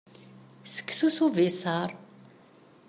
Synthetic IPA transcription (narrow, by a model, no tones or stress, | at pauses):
sə̥kːsusuvisɑɾˤ